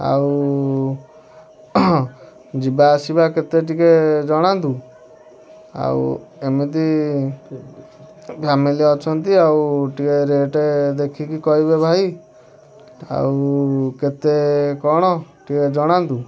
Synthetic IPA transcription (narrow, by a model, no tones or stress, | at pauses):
a̰w | d͡ʒibaːsibaket̪eʈiked͡ʒɔɽ̃ant̪u | a̰ṵemit̪i | pʰamiliɔt͡ʃʰɔnt̪iawʈikeɾeʈed̪ekʰikikɔibebʱaj | a̰wket̪ekɔɽ̃ɔʈiked͡ʒɔɽ̃ant̪u